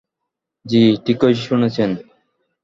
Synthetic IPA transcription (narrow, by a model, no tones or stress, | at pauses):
d͡ʑiʈikojʃʃunet͡ɕʰen